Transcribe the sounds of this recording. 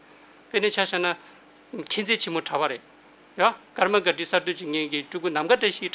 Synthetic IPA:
penet͡ɕʰaɕana | kʰent͡set͡ɕʰemoʈ͡ʂʰawaɾeʔ | akarmaɡaʈ͡ʂisat̪yt͡ɕiŋeːɡiʈ͡ʂuʔkunamɡaʈ͡ʂaɕiʈ͡ʂ

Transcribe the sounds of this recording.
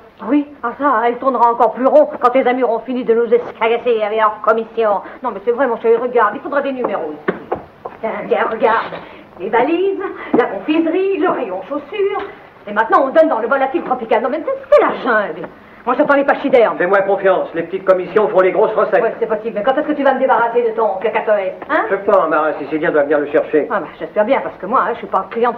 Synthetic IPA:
wiasaɛlt̪uʁnəʁaɑ̃kɔʁplyʁɔ̃kɑ̃t̪ezamyʁɔ̃finid̪ənuzɛskaɡaseavɛlœʁkɔmisjɔ̃nɔ̃mɛsɛvʁɛmɔ̃ʃɛjʁəɡaʁd̪ilfod̪ʁad̪enymeʁo | t̪ɛ̃t̪jɛ̃ʁəɡaʁd̪ | levalizlakɔ̃fizʁiləʁejɔ̃ʃosyːʁ | emɛ̃t̪nɑ̃ɔ̃d̪ɔnd̪ɑ̃ləvɔlat̪ilt̪χɔpikalnɔ̃mɛmt̪ɛt̪sə̥kɛlaʒɛ̃d̪ | mwaʒat̪ɑ̃lepaʃid̪ɛʁmfɛmwɛ̃kɔ̃fjɑ̃slepə̥t̪it̪̚kɔmisjɔ̃fɔ̃leɡʁosʁəsɛtwɛsɛpɔsiblmɛkɑ̃t̪ɛskət̪yvaməd̪ebaʁased̪ət̪ɔ̃kɛkat̪ɔjɛ̃fɛpaɛ̃maʁɛ̃sisid̪jɛ̃d̪wavəniʁləʃɛʁʃeabaʒ̥ɛspɛʁbjɛ̃paʁsə̥kəmwaɛ̃ʒsɥypaɑ̃klijɑ̃

